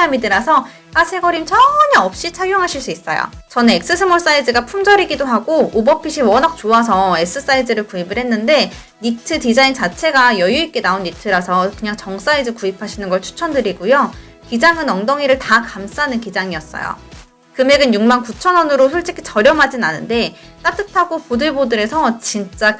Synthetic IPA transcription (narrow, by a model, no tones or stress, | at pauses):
amidɯɾasʰʌ | asʰe̞ɡʌɾimt͡ɕʰʌɲaʌp̚ɕ͈it͡ɕʰaɭjoŋɦaɕʰiɭs͈uis͈ʌ̰jo̰t͡ɕʌnek̚s͈ɯsʰɯmoɭs͈aidɯɡapʰumd͡ʑʌɾiɡidoɦaɡoobʌpʰiɕʰiwʌnɦak̚t͡ɕoas̬ʰʌe̞s͈ɯs͈aidɯɾɯɭkuibɯɭɦenːɯnde̞ | nitʰɯtid͡ʑaint͡ɕat͡ɕʰe̞ɡajʌjuik̚k͈e̞naonːitʰɯɾasʰʌkɯɲaŋt͡ɕʌŋs͈aid͡ʑɯɭkuipʰaɕʰinɯnɡʌɭt͡ɕʰu̥t͡ɕʰʌndɯɾiɡujo | kid͡ʑaŋɯnʌŋdʌŋiɾɯɭtakams͈anɯnkid͡ʑaŋiʌs͈ʌ̰jo̰ | kɯme̞ɡɯnjuŋmankut͡ɕʰʌnʌnɯɾosʰoɭt͡ɕ͈i̥kʰi̥t͡ɕʌɾjʌmɦad͡ʑinanːɯnde̞ | t͈at͈ɯtʰaɡopodɯɭbodɯɾe̞sʰʌt͡ɕint͡ɕ͈a